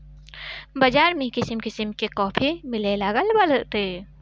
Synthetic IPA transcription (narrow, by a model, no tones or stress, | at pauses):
bɐd͡ʒaːɾmẽkɪsəmkɪsəmkekɔːpʰimɪlelaɡəlbɐlət̪e